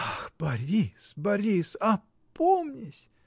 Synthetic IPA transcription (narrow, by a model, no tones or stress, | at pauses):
axb̥ɐɾʲisbɐɾʲisɐ | pʰomnʲɪsʲ